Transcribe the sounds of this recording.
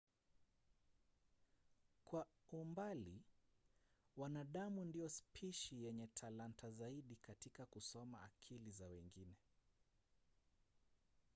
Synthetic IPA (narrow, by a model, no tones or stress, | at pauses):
kwaumbali | wanaɗamundijɔspʰiʃijɛɲɛtʰalantʰazaiɗikatikakusɔma̰ːkʰilizawɛŋɡinɛ